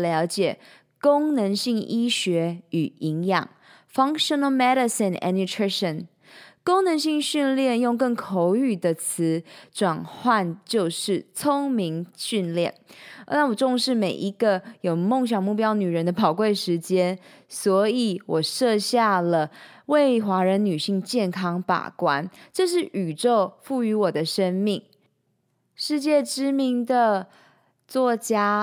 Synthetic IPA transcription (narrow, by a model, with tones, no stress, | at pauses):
ljɑ˧˥ʊt͡ɕjɛ˨˩ | ko˥ŋnə˧˥ŋɕi˥˩ŋi˥ɕɥɛ˧˥y˨˩i˧˥ŋjɑ̰˨˩ŋ | fɑ˥˦ŋʂə˧nə˧lmɛ˦˥ɾə˨snɛ̰˧nju˧tʰɹi˥ʂə˨n | ko˥ŋnə˧˦ŋɕi˥˧ŋɕy˥˧nljɛ˥˧˨njʊ˥˧ŋkə˥˩ŋkʰo˧ʊy˥˩d̪ə˨t͡s̩ʰ˧˦ʈ͡ʂwa˨˩nxwa˥˨nt͡ɕjo˥˧ʊʂɻ̩˥˩t͡sʰo˥ŋmi˧˥ŋɕy˥˧nljɛ˥˩nna˥˩wɔ˨˩ʈ͡ʂʊ˥˧ŋʂɻ̩˥˩me˨˩ɪʔi˧˥ɡ̥ə˧jo˨˩ʊmo˥˩ŋɕ̬jɑ˨˩ŋmu˥˩pjɑ˥ʊny˨˩ɻə˦nd̪ə˧pɑ˨˩ʊkwe˥˩ɪʂɻ̩˧˥t͡ɕjɛ˥n | swɔ˧˥i˨˩˦wɔ˨˩ʂɤ˥˧ɕja˥˩lə˩we˥˩ɪxwa˧˥ɻə˧˦nny˨˩ɕi˥˧ŋt͡ɕjɛ˥˩nkʰɑ˥ŋpa̰˨˩kwa˦nʈ͡ʂɤ˥˧ʂ̬ɻ̩˥˩ʔy˨˩ʈ͡ʂo˥˧ʊfu˥˩y˧˥wɔ˨˩d̪ə˦ʂə˥nmi˥˩ŋ | ʂɻ̩˥˧t͡ɕjɛ˥˩ʈ͡ʂɻ̩˥mi˧˥ŋd̪ə˨ | t͡swɔ˥˩t͡ɕja˥